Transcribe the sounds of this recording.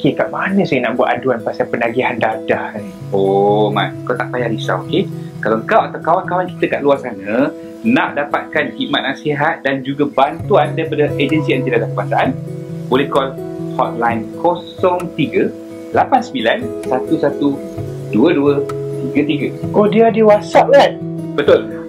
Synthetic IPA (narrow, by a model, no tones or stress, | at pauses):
okekaʔmanə̃sajənaʔbua̰ʔ̪anduanpasapənaɡiɦandadahn | oma̰nŋkat̪aʔpajaɾisa̰okekalaŋkawʔat̪awkawankawanki̥t̪əkaʔluarsanə̃ | nãʔdapat̪̚kanhiʔmat̪̚nasiɦat̪̚dand͡ʒuɡəbant̪uandaɾipadəʔed͡ʒənsiənt̪idadamkuasaʔanbolɛhkɔlhɔt̪̚lajnkʰosɔŋt̪iɡə | lapansəmbilansat̪usat̪u | duəduət̪iɡət̪iɡəʔodiadiwasaʔ̚lan | bət̪ʊl